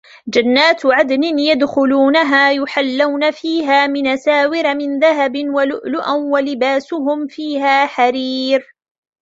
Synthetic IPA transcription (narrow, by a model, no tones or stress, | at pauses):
d͡ʒanːaːt̪ʕad̪nɪnjad̪xʊluːnaɦaːjʊħalːawnafiːɦaːmɪnʔasaːwɪɾamɪnðaɦabɪnwalʊʔlʊʔanwalɪbaːsʊɦʊmfiːɦaːħaɾiːɾ